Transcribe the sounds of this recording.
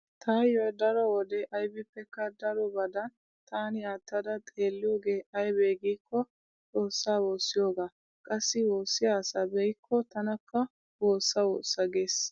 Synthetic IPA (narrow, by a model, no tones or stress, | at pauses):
t̪ʰajjod̪ɐɾɔwɔd̪ɛʔɐjbɪpːɛkːɐd̪ɐɾɔbɐd̪ɐn | t̪aːnɪaːt̪ːɐd̪ɐt̪ʼe̞ːlːɪjo̞ːɡe̞ːʔɐjbeːɡiːkːɔ | t͡sʼo̞ːsːaːwo̞ːsːɪjoːɡaː | kʼɐsːɪwo̞ːsːɪjaːsɐbɛjɪkʰːɔt̪ɐnɐkːɐ | woːsːɐwo̰ːsːɐɡe̞ːs